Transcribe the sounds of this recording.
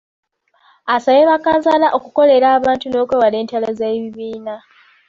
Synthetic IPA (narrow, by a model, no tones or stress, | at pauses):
asaβeβakaːnzalaʔo̞kuko̞le̞ɾaːβaːntuno̞ːkweβale̞ːntalazaβiβiːna